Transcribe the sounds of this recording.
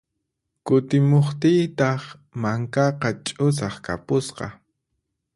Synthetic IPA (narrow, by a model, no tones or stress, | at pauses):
kʊt̪ɪmoχt̪ɪjt̪ɑχ | maŋkɑqɑt͡ʃʼʊs̬ɑχkapʊsqɑ̰